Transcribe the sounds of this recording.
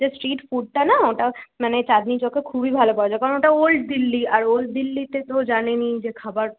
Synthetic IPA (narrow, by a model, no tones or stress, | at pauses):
d͡ʑesʈɾiʈfuɖ̚ʈanaoʈamanet͡ɕad̪nit͡ɕokekʰubibʱalopɔed͡ʑakaoʈaolʈ̚d̪ilːiaɾolʈ̚d̪ilːit̪et̪od͡ʑanenid͡ʑekʰabaɾ